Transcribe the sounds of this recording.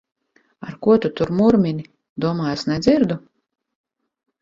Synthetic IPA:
aɾkuɔt̪ut̪uɾmuɾmʲinʲi | d̪uɔmaːjasnɛd̪ziɾd̪u

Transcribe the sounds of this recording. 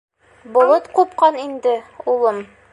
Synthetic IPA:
bolˠɤt̪qupqɑnind̪ɘulˠɤm

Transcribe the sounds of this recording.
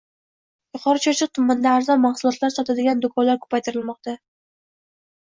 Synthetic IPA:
jʊqʰɒɾat͡ʃʰɒt͡ʃʰɨq̚t̪ʰʊmːand̪aːɾzɒnmaχsʊlˠɒt̪laɾsɒt̪ʰad̪ɪɡʲand̪ʊkʰɒnlaɾkʰɵ̥pʰajt̪ʰɪɾɪlˠmɒqt̪ʰa

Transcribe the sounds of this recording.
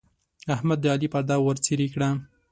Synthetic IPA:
ahmad̪ːəɑlipaɾd̪ɑwəɾt͡siɾikɽa

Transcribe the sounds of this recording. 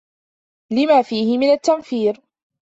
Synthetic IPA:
lɪmaːfiːhɪmɪnat̪ːamfiːɾ

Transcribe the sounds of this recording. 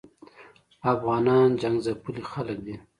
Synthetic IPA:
afɣɑnɑnd͡ʒaŋɡzapulixalək̚d̪i

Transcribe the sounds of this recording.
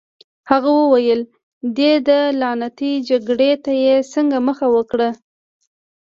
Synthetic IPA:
haɣawəwajəl | d̪ed̪əlɑnat̪id͡ʒaɡɽet̪ajesəŋɡaməxawəkɽə

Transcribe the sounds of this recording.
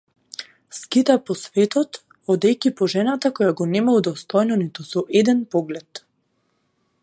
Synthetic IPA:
skit̪apɔsvɛt̪ɔt̪ | ɔd̪ɛjkipɔʒɛnat̪akɔjaɡɔnɛmaud̪ɔst̪ɔjnɔnit̪usɔʔɛd̪ɛnpɔɡlɛt̪

